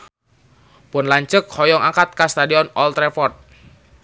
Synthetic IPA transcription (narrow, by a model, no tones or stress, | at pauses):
pʊnlaɲt͡ʃək̚hɔjɔŋakat̪̚kast̪adiɔnɔlt̪ɾefɔrt̪̚